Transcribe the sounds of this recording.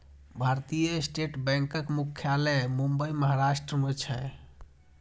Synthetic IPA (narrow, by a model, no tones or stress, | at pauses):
bʱaɾt̪ijəesʈeʈbɛ̃ŋkəkmukʰːjalɛmumbəiməɦaɾasʈɾəmet͡ʃʰɛ